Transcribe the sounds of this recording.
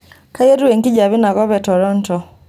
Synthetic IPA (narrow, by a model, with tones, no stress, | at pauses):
ka˦jɛ˦ɾu˦wɛ˨ŋki˦d͡ʒa˨βi˦na˨kɔ˦βɛ˨tɔ˨ɾɔ˦n˦tɔ˨